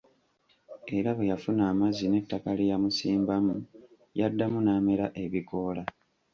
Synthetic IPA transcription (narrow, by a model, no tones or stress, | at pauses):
e̞ɾaβe̞jafunaːmazine̞tːakalijamusiːmbamu | jadːamunaːmeɾaʔe̞βiko̞ːla